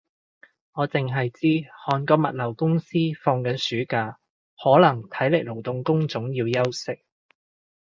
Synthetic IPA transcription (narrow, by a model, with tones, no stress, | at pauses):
ŋɔː˨˧t͡sɪ˨ŋɦɐ˨jt͡siː˥hɔː˨˧nkɔː˧mɐ˨t̚lɐ˨˩wkʊ˥ŋsiː˥fɔː˧ŋkɐ˨˥nsyː˨˥kaː˧ | hɔː˨˥lɐ˨˩ŋt̪ʰɐ˨˥jlɪ˨˩klo˨˩wt̪ʊ˨ŋkʊ˥ŋt͡sʊ˨˥ŋjiː˧wjɐ˥wsɪ˥k̚